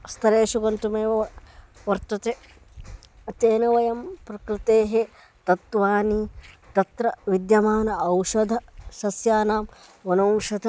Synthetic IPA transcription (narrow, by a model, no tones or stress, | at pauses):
st̪ʰɐɾeːʃuɡɐnt̪umeːʋɐ | ʋɐɾt̪ɐt̪e | ɐt̪eːnɐʋɐjɐmpɾɐkɾɪt̪eːɦe | t̪ɐt̪ʋaːnit̪ɐt̪ɾɐʋid̪jɐmaːnɐɐwʃɐd̪ʱɐʃɐsjaːnaːm | ʋɐnoːŋʂɐd̪ʱɐ